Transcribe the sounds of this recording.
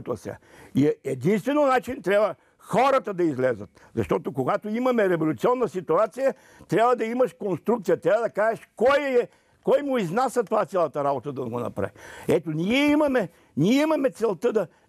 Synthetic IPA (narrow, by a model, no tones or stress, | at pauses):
t̪ɐ̰sa̰iɛɛd̪inst̪vɛnonat͡ʃint̪ɾʲabvə | xɔɾɐt̪əd̪ɐizlɛzət̪̚ | zɐ̰ʃt̪ɔt̪okoɡat̪oimɐmɛɾɛvolʲʊt̪siɔnːɐsit̪uat̪sijə | t̪ɾʲabvɐd̪ɐimɐʃkonst̪ɾuk̚t̪sijɐt̪ɾʲavəd̪ɐkaʒɛʃkɔjɛ | kɔjmʊiznasɐt̪ovat̪sʲalˠɐt̪ɐɾabot̪əd̪ɐɡonɐ̰pɾa̰viɛt̪oniɛimɐmɛ | niɛimɐmɛt̪sɛlˠt̪əd̪ɐ